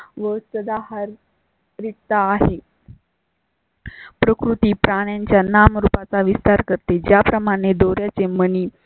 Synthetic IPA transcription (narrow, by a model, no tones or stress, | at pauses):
ʋəsəd̪aɦaɾ | ɾiʈ̚t̪aːɦe | pɾəkɾut̪iːpɾaɽ̃jãɲt͡ɕjanamɾupat͡saʋist̪aɾkəɾt̪ed͡ʑjapɾəmaɽ̃ed̪oɾjat͡seməniː